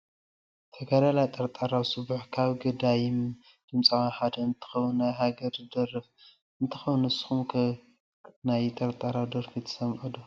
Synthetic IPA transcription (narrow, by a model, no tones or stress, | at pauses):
t̪ʰɐɡad̪alajt̪ʼɐɾt̪ʼaɾawsɨβuħkʰaβɡɨd̪ajɪm | d̪̥ɨmt͡sʼawanħad̪ɐɨnt̪ʰɨ̥xɐwunːajɦaɡɐɾd̪ɐrɨf | ɨnt̪ʰɨxɐwnɨsxumkʰ | najt̪ʼɐɾt̪ʼaɾawd̪ɐɾfit̪ʰɐ̥sɐmʕud̪u